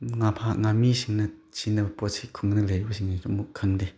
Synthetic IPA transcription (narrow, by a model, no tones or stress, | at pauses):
ŋapʰaŋamiɕəŋ̚nət͡ɕinəpot͡sʰikʰoŋnəleoɕək̚niomokʰaŋd̪e